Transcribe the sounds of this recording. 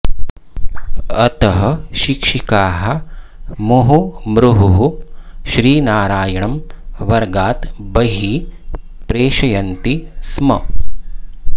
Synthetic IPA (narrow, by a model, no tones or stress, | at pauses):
ɐt̪ɐɦɐ̆ʃikʂikaːɦɐ̆mɐɦumɾuɦuɦuʃɾiːnaːɾaːjɐɳɐmʋɐɾɡaːt̪bɐɦi | pɾeːʃɐjɐnt̪ismɐ